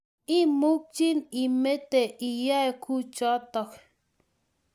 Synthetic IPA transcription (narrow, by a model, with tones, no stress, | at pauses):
i˦mu˦k̚t͡ʃi˦ni˨me˦t̪e˨ʔi˨ja˦e˦kʰu˦t͡ʃɔ˦t̪o˨k